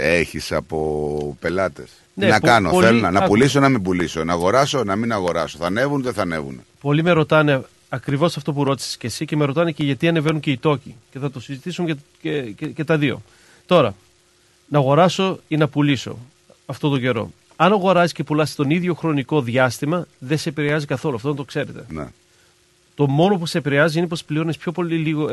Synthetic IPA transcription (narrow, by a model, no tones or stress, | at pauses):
eçisɐ̰po̞pe̞lɐt̪e̞̰s | nenɐpkɐno̰pθelonɐnɐpulisonɐmibulisonɐɣo̞ɾɐso̞nɐminɐɣo̞ɾɐ̰soθɐne̞vunðeθɐne̞̰vṵn | po̞lime̞ɾo̞t̪ɐne̞ | ɐkɾivo̞sɐft̪o̞puɾo̞t̪i̥si̥scesiɐce̞me̞ɾo̞t̪ɐneceʝɐt̪iɐne̞ve̞nuŋce̞it̪o̞cice̞θɐt̪o̞sizit̪isum | ece̞t̪ɐðio̞̰ | t̪o̞ɾɐ | nɐɣo̞ɾɐso̞inɐpuliso̞̰ | ɐft̪ot̪o̞ɟe̞ɾo̞̰ | ɐnɐɣo̞ɾɐzisce̞pulɐsi̥t̪o̞niðʝo̞xɾo̞niko̞ðʝɐst̪imɐðe̞sepiɾeɐzikɐθo̞luɐft̪onɐt̪o̞kse̞ɾe̞t̪e̞̰nḛ | t̪o̞mo̞no̞pusepiɾeɐziinepo̞splio̞nespço̞po̞liliɣo